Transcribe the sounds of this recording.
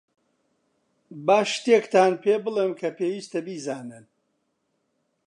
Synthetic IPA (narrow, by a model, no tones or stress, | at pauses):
baːʃt̪ekt̪ʰaːnpʰeːbɨlˠeːmkʰɐpʰeːwiːst̪ɐbiːzaːnɨn